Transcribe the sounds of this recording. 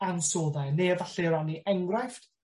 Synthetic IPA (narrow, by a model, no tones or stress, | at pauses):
ansoːðanevaɬɛɾaniʔɛŋɡrajf